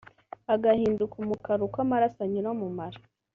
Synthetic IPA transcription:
aɡahiːndukumukaɾukwamaɾasaɲuɾomumaɾḁ

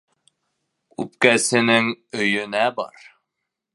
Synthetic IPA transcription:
ʉ̰pkæsɘ̆nɘŋɵ̆jɵ̆næbɑ̰ɾ

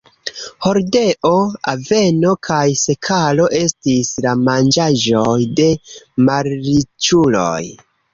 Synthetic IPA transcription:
ho̞ɾde̞ʔo̞ave̞no̞kʰajse̞kʰalo̞ʔe̞stislamand͡ʒaʒo̞jde̞maɾɾit͡ʃulo̞̰j

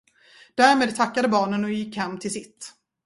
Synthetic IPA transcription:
d̪̥æɾmeːd̪̚t̪ʰakːad̪əbɑːɳənɔjɪkːhɛmːt̪ʰɪlsɪt̪ː

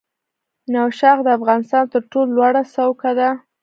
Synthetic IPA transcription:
nawʃɑɣd̪əafɣɑnɪst̪ɑnt̪əɾʈololwɑɽasawkad̪a

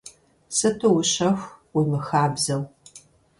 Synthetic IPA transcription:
sɨtʰɨwʊɕɐxʷwimɨxaːbzɐw

